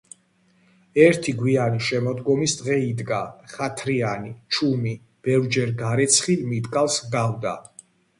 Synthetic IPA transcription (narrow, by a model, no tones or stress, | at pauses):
ɛɾt̪ʰiɡwianiʃɛmɔd̪ɡɔmisd̪ʁɛid̪ɡaχat̪ʰɾianit͡ʃʰumi | b̥ɛvɾd͡ʒɛɾɡaɾɛt̪sʰχimit̪ʼkʼalˠsɡavd̪a